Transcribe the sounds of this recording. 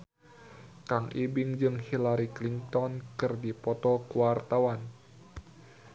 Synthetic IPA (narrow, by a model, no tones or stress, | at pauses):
kaŋʔibɪŋd͡ʒɨŋhilaɾikliŋt̪ɔnkɨrdipɔt̪ɔkuwart̪awan